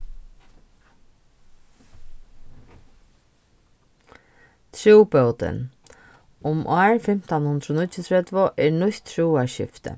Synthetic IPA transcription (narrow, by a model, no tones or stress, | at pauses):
t̪ʰɾuwpœwt̪ɪ̰n | ʊmʔaːɹfɪm̥t̪anhʊnd̪ɾʊnʊt̪ːɪt̪ʰɾɛt̪vʊʔɛɹnʊçt̪ʰːɾuwaɹʃɪ̰ft̪ɪ̰